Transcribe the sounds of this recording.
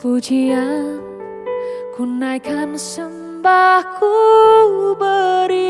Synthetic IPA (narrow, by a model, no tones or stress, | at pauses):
fut͡ʃʰia | kʰunːajkʰamsəm | bakʰu | bəɾi